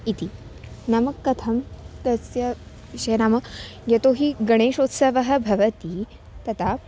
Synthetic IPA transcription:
it̪i | namɐkːɐt̪ʰɐmt̪ɐsjɐ | ʋiʃɐjɐnaːmɐjɐt̪oɦiɡɐɽ̃eːʃoːt̪sɐʋɐɦɐ̆bʱɐʋɐt̪i | t̪ɐt̪a

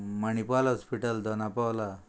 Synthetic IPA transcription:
məñipalɔspiʈəld̪ʱɔnapawla

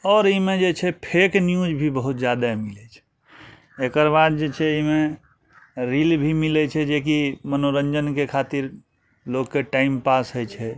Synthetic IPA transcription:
ɔːɾimed͡ʒet͡ʃʰɛpʰeknjud͡ʒbʱibəɦut̪d͡ʒjad̪amilɛt͡ʃʰɛ̥ | ekəɾbad̪̚d͡ʒet͡ʃʰɛime | ɾilbʱimilɛt͡ʃʰɛd͡ʒek̬imənoɾənd͡ʒənkekʰat̪iɾ | lokːeʈaimpasɦəjt͡ʃʰɛ

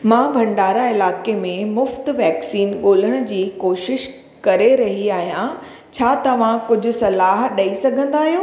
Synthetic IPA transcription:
mãbʱɐ̃ɳɖaːɾaɪlaːkemẽmʊft̪ʋɛːksiːnɠoːləɽ̃ʊ̆d͡ʑiːkoːʃɪʃ | kɐɾeɾɐɦiaːɦijã | t͡ɕʰaːt̪ɐʋ̤ãkʊd͡ʑʱʊ̆sɐlaːɦɗɐisɐɡʱə̃nd̪aːɦijoː

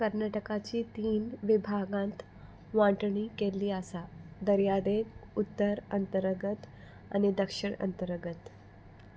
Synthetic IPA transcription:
kəɾnaʈəkat͡ɕiːt̪iːnʋibʱaɡãnt̪ | ʋãʈɳiːkeliːəsad̪əɾjad̪ekut̪ːəɾənt̪əɾəɡət̪ | a̰nid̪əkʂiɳə̰nt̪əɾəɡət̪

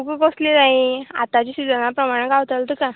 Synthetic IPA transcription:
ukəkoslinaĩa̰t̪at͡ɕisid͡zənapɾəmaɽ̃ẽɡaʋt̪əlt̪əka

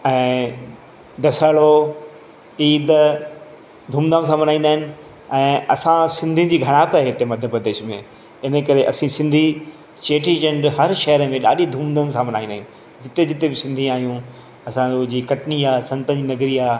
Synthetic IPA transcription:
ɛ̃ː | d̪ɐsaːɭo | iːd̪ | d̪ʱũːmd̪əms̬ãmɐnaːĩn̆d̪aːɦɪnɪ̆ | ɛ̃ːɐsãsɪ̃nd̪ʱĩd͡ʑiːɡʱɐɽ̃aːpaɦet̪emɐd̪ʱjəpɾɐd̪eːʃmḛ̃ | ɪnəkɐɾeʔɐsĩsɪ̃nd̪ʱi | t͡ɕeːʈid͡ʑẽɳɖɦɐɾʃɐɦəɾəmẽɗa̰ːɗid̪ʱuːmd̪əmsãmɐnaːĩnd̪ːɦn | d͡ʑɪt̪ed͡ʑɪt̪ebɪsɪ̃nd̪ʱĩaːɦijũ | ɐsãõd͡ʑiːkɐʈniaːsɐ̃nt̪ə̃d͡ʑiːnɐɡɾiaː

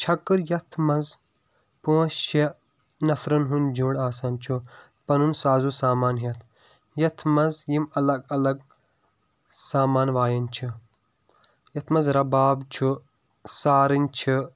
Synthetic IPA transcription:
t͡ʃʰɐkɨɾjɐt̪ʰmɐz | põːse | nɐfɾɐnɦund͡ʒũːɽɖaːsɐnt͡ʃʰu | pɐnunsaːzusaːmaːnɦiɐt̪ʰ | jɐt̪ʰmɐzjimɐlɐɡɐlɐɡ | saːmaːnʋaːjɐnʲt͡ʃʰi | jɐt̪ʰmɐzɾɐbaːbt͡ʃʰu | saːɾinʲt͡ʃʰi

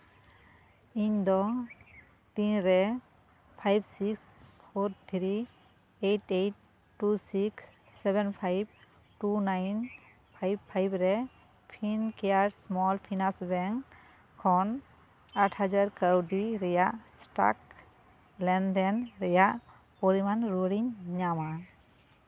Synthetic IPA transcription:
indɔ | tinɾɛ | pʰajbsikspʰoɾt̪ʰɾi | ejtejtː | usiksː | ɛbɛnpʰajb̚ | ʈunajn | pʰajbpʰːajbɾɛ | pʰinkejaɾsmɔlpʰinasbɛŋ | kʰɔn | aʈʰhad͡ʒaɾkawdiɾɛjaʔsʈa̰k | lɛndɛnɾɛjaʔ | poɾimanɾoliɲɲama

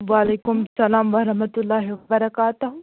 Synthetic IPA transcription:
ʋaːleːkʊmsɐlaːmʋɐɾɐɦmɐt̪ʊlːaːɦiʋɐbɐɾɐkaːt̪ʊ

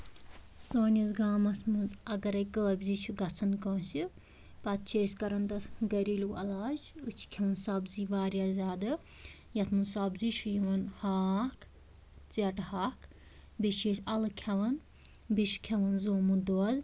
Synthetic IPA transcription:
soːnʲɐzɡaːmɐsmunzɐɡɐɾɐjkəːbʲzit͡ʃʰuɡɐt͡sʰɐnkõːsi | pɐt̪̚t͡ʃʰeːsʲkɐɾɐnd̪ɐt̪ɡɐɾiluːɐ̰laːd͡ʒut͡ʃʰkʲʰɐʋɐnsɐbziːʋaːɾijaːzʲaːd̪ɨ | jɐt̪ʰmunsɐbzit͡ʃʰujiʋɐnhaːk | t͡sɐʈhaːk | biʃeːsʲɐlɨkʲʰɐʋɐn | biʃkʲʰɐʋɐnzoːmud̪oːd̪

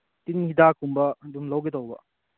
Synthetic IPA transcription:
tinhidakʰumbɐdumlɐwɡetɐwbɐ̰

